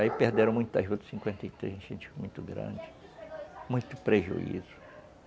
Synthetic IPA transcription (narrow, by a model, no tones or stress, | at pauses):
aipehd̪eɾɐ̃w̃mũj̃t̪ʊɐʒut̪sĩŋkwẽnt̪ejt̪ɾḛzẽt͡ʃẽnt͡ʃfikmũj̃t̪ʊɡɾɐ̰̃d͡ʒɪ | mũj̃t̪ʊpɾeʒṵḭzʊ